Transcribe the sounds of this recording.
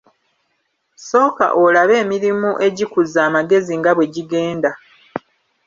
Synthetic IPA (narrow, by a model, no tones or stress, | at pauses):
so̞ːka̰ʔolaβe̞ːmiɾimuʔe̞ɟikuzaːmaɡe̞ziŋɡaβwe̞ɟiɡe̞ːnda